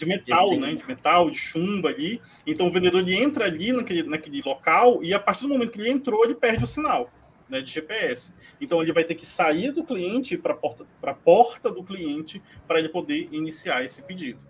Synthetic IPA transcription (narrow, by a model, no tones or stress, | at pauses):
d͡ʒɪmet̪awnɛd͡ʒɪmet̪awd͡ʒɪʃũbɐːʎi | ẽnt̪ɐ̃w̃ʊvẽnd̪ed̪oɾelɪẽnt̪ɾɐaʎinɐkelɪnɐkelɪlɔkawɪapaɾt͡ʃiɾd̪ʊmomẽt̪ʊkelɪẽnt̪ɾoelɪpɛɾd͡ʒɪʊsinaw | nɛd͡ʒɪʒepeɛsɪ̥ | ẽnt̪ɐ̃w̃elɪvajt̪ekɪ̥saiɾd̪ʊkliẽnt͡ʃɪpɾɐpɔɾt̪ɐpɾɐpɔɾt̪ɐd̪ʊkliẽnt͡ʃɪpɾɐelɪpod̪einisiaɾesɪped͡ʒid̪ʊ